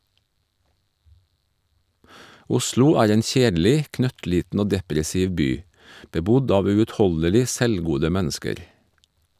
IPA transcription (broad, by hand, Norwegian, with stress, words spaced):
ˈʊslʊ ˈæːɾ ˈeːn ˈçeːdl̩ɪ ˈknœtˌliːtn̩ ˈoː ˈdɛpɾɛsɪʋ ˈbyː bəˈbʊd ˈɑːʋ ˌʉːʉtˈhɔləlɪ ˈsɛlˌɡuːdə ˈmænskəɾ